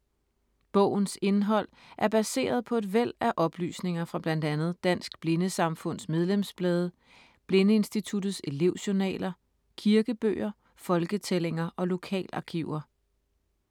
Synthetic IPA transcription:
b̥ɔ̰̽ʊ̰n̩se̝nɦɒ̽l̰ | ʔæɐb̥æse̝̰ːɐð̞ˠpʰɒ̽e̝dʋel̰æʔɒ̽b̥ly̰ːsne̝ŋɐfʁɑ̈b̥lænd̥ænð̞̩ˠd̥æn̰sɡ̥b̥le̝nəsɑ̈mfɔ̽n̰smeð̞ˠlemsb̥lɛːð̞ˠə | b̥le̝nəe̝nsd̥it͡sʰud̥ð̩ˠse̝le̝ʊɕonɛ̰ːlɐ | kʰiɐɡ̥əb̥ø̰ːɐ | fɒ̽lɡ̥ət͡sʰeleŋɐʔɒ̽lo̝kʰɛ̰ːlɑ̈kʰiʊ̰ɐ

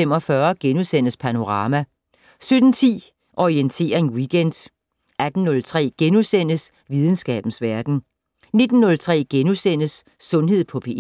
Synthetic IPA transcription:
em̰ɒfɶɐɡ̥enusen̰əspʰæno̝ʁɑ̈ːmæ | sød̥n̩t͡sʰḭː | ʔɒient͡sʰe̝̰ːɐe̝nwiɡ̥end̥ | ʔæd̥n̩ːɔ̽lt͡sʰʁɛ̰ːɡ̥enusen̰əs | ʋið̞ˠn̩sɡ̥ɛ̰ːb̥n̩sʋæɐd̥n̩ | ne̝d̥n̩ːɔ̽lt͡sʰʁɛ̰ːɡ̥enusen̰əsː | ɔ̽nɦe̝ð̞̰ˠpʰɒ̽pʰe

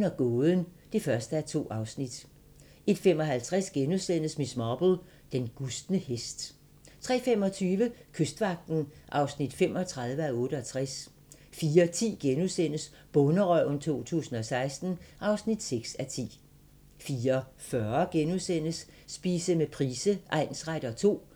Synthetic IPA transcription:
nɐɡ̥ɔːðˠənd̥e̝fɶɐsd̥əæɐt͡sʰo̝̰ːɑ̈ʊsnid̥ | e̝d̥fem̰ɒ̽ɦælt͡sʰʁɛsɡ̥enusen̰əsmismɒb̥l̩ | d̥enɡ̥usd̥nəhesd̥ | t͡sʰʁɛ̰ːfem̰ɒ̽t͡sʰyːʋəkʰøsd̥ʋɑ̈ɡ̥̚d̥n̩ʔɑ̈ʊsnid̥fem̰ɒ̽t͡sʰʁäðˠʋəɒɔ̽ːɾ̥əɒ̽t͡sʰʁæs | fiːɐt͡sʰḭːɡ̥enuðˠsen̰əs | b̥ɔ̽nəʁœʊnt͡sʰo̝̰ːt͡sʰṵːsn̩ɒ̽sɑ̈ɪsd̥n̩ʔɑ̈ʊsnid̥seɡ̥sæt͡sʰḭː | fiːɐfɶɐɡ̥enusen̰əsː | b̥iːsəmepʰʁiːsəʔɑ̈ɪ̰nsʁɑɾ̥ɐt͡sʰo̝̰ː

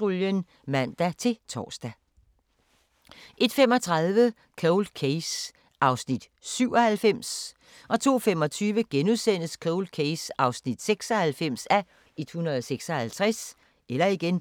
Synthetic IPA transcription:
ʁoljən | mæn̰d̥æt͡sʰe̝t͡sʰɒ̰ːsd̥æ | ʔe̝d̥fem̰ɒ̽t͡sʰʁɑ̈ðˠʋə | kʰoʊl̥kʰeɪs | ʔɑ̈ʊsnid̥syʊ̰ɒhælfem̰s | ʔɒ̽t͡sʰo̝̰ːfem̰ɒ̽t͡sʰyːʋəɡ̥enuðˠsen̰əskʰoʊl̥̚kʰeɪsɑ̈ʊsnid̥seɡ̥sɒ̽hælfem̰sæ | e̝d̥hunɐðˠseɡ̥sɒ̽hælt͡sʰʁɛs | elɐiɡ̥en

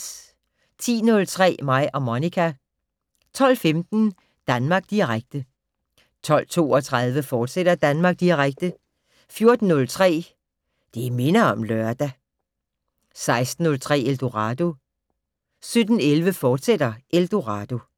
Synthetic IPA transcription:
t͡sʰḭːnɔ̽lt͡sʰʁɛ̰ːmɑ̈ɪ̰ʔɒ̽monikʰæ | t͡sʰɒ̽l̰femd̥n̩ | d̥ænmɑ̈ːɡ̥̚d̥iʁaɡ̥̚d̥ə | t͡sʰɒ̽l̰t͡sʰo̝̰ːɒ̽t͡sʰʁɑðˠʋəfɒːd̥sed̥ɐd̥ænmɑ̈ːɡ̥̚d̥iʁaɡ̥̚d̥ə | fjo̝ɐd̥n̩ːɔ̽lt͡sʰʁɛ̰ː | d̥eime̝nɐɒ̽mlœɐd̥æ | sɑ̈ɪsd̥n̩ːɔ̽lt͡sʰʁɛ̰ːeld̥oʁɑ̈d̥o̝ | sød̥n̩elʋəfɒːd̥sed̥ɐʔeld̥o̝ʁɑ̈d̥o̝

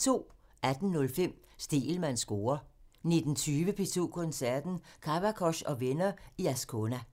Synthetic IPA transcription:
t͡sʰo̝̰ːæd̥n̩nɔ̽lfem̰ | sd̥e̝̰ːlmænsɡ̥o̝ːɐne̝d̥n̩t͡sʰyːʋəpʰit͡sʰo̝̰ːkʰɔ̽nsæɐ̰d̥n̩kʰɑʋækʰɒ̽ɕɒ̽ʋenɐiæskʰonæ

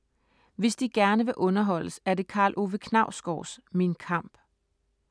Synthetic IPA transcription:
ʋe̝sd̥iɡ̥æɐnəʋe̝ʔɔ̽nɐɦɒ̽l̰əsæɐde̝kʰɑ̈ːlʔo̝ʋəkʰnɑ̈ʊ̰sɡ̥ɒːsminkʰɑ̈m̰b̥

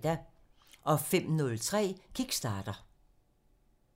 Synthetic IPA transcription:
d̥æ | ʔɒ̽fem̰nɔ̽lt͡sʰʁɛ̰ːkʰiɡ̥sd̥ɑ̈ːd̥ɐ

